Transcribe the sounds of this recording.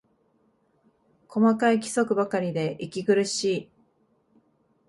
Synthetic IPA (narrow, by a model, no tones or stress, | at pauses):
kʰo̞makaikʲi̥so̞kɯ̟bakaɾʲid̪e̞ʔikʲiɡɯ̟ɾɯ̟ɕiː